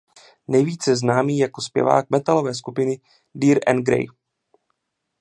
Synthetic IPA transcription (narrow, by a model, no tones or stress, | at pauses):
nɛjviːt͡sjɛznaːmiːjako̞spjɛ̰va̰ːk̚mɛt̪alo̞vɛːskupɪnɪ | diːɾʔɛ̰nɡɾɛ̰j